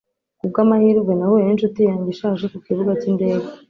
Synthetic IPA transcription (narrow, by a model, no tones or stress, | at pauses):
kub̚ɡaːmahiːɾɡɡwenawojinʃutijaːɲɟiʃaːʒekukiβuɡacinde̞ːɡa